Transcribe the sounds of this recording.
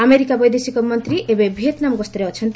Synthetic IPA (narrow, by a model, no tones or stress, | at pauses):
ameɾikabʌjd̪esikomʌnt̪riʔebejbʱet̪namɡʌst̪ɾeʌt͡sʰʌnt̪